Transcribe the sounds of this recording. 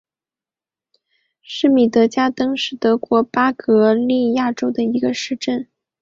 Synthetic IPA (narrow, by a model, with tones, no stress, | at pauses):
ʂɻ̩˥˩mi˨˩t̪ɤ˧˥t͡ɕja˥t̪ɤ˥ŋʂɻ̩˥˩t̪ɤ˧˥kwɔ˧˥pa˥kɤ˧˥li˥˧ja˥˩ʈ͡ʂo˥ʊd̪ə˨i˧˥ɡə˧ʂɻ̩˥˧ʈ͡ʂə˥˩n